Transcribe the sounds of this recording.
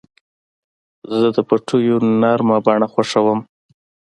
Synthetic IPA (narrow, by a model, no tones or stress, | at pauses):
zəd̪əpaʈʰujonaɾmabɑɳaxwaʂawəm